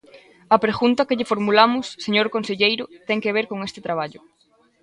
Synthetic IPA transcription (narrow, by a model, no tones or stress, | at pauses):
ɐpɾeɣunt̪ɐkeʎɪfoɾmulamʊsːeɲoɾkonseʎejɾʊt̪ɛŋkeβ̞eɾkoŋest̪ɪt̪ɾaβaʎʊ